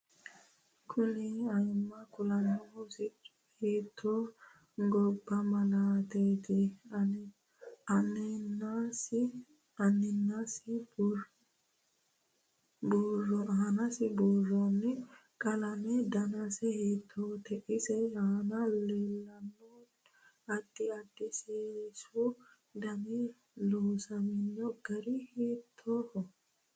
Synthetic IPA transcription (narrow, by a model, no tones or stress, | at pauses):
kʰʊnɛɐjmːɐkʊlɐnːɔʊsɪt͡ʃʼːʊ̥heːt̪ʰːoː | ɡɔbːɐmɐlaːt̪eːt̪ɪɐn | ɐnnasɪ | ɐnːɪnːasɪ | buːrːɔʔaːnɐsɪbɔrːɔnːɛ | kʼɐlɐmɛd̪ɐnɐsɛheːt̪ʰːoːt̪ʰɛʔɪsɛaːnɐleːlːɐnːo | ɐd̪ːɪɐd̪ːɪseːɾɪsu | d̪ɐmɛ | loːsɐmɪnːɔɡɐɾɪheːt̪ʰːohɔ